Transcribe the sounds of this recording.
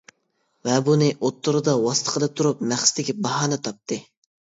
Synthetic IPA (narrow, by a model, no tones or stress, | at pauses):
vɛbunɨʔot̪ːuɾɨd̪ɑwɑsɨ̥t̪ʰə̥qʰəlˠɨt̪ʰuɾup̚mæχsɪ̥t̪ɪkʲibɑɦɑːnɨt̪ʰɑp̚t̪ʰɨ